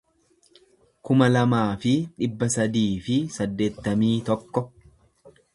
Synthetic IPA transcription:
kʊmɐlɐmaːfɪᶑɪbːɐsɐd̪iːfɪsɐd̪ːe̞ːt̪ːɐmiːt̪ɔkːɔ

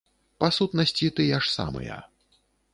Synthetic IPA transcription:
pasut̪nɐsʲt͡sʲit̪ɨjaʂsa̰mɨ̰jɐ̰

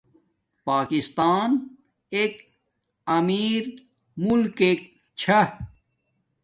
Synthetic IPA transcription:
paːkist̪aːn | ek | ɐmiːɾ | mulkek̚ | t͡ɕʰɐ

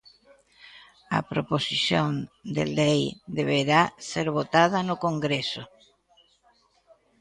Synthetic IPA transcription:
ɐ̰pɾoposiθjõnd̪ḛlejd̪eβ̞eɾaseɾβot̪aðanokoŋɡɾeso̰

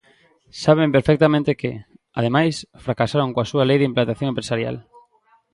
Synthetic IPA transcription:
saβ̞empeɾfɛk̚t̪amẽnt̪ɪkɪ̰ | a̰ðemajsfɾakasaɾoŋkoasualejðimplant̪aθjoŋẽmpɾesaɾja̰l

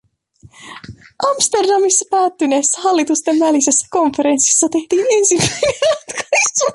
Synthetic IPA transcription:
ʔɑmst̪e̞rdɑmisːɑpæːt̪ːyne̞ːsːæɦɑlːit̪ust̪e̞nʋælise̞sːæ̥ko̞ɱfe̞ɾe̞nsi̥sːɑt̪e̞ht̪iːne̞nsimːæjnenɑt̪kɑ̥su

